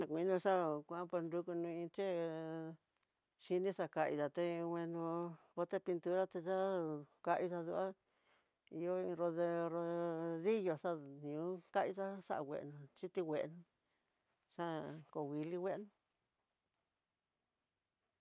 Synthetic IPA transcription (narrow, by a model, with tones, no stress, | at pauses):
ã˧kʷĩ˧˦nũ˧ʂa˦kʷa˧ã˦pe˧nɾu˧ku˧nũ˧ĩ˧t͡ʃe˦ | ʃi˧nĩ˦ʂa˧ka˧ʔḭ˧ða˨t̪e˧wʷẽ˧nũ˧βo˧t̪e˦pi˧nt̪u˧ɾa˦t̪e˧t͡ʃa˦ka˧ʔi˧ʐa˧ðu˧ʔa˦ | i˧jo˦i˧ɾo˧ðe˧ɾo˧ði˦jo˧ʂa˦nĩ˨ũ˦ka˦ʔi˧ta˦ʂa̰˦ʔa˧wʷḛ˨ʔnũ˧t͡ʃi˦t̪i˧wʷe˨ʔnũ˧ | ʂa˦ko˧˨wi˧li˦we˦˧nũ˧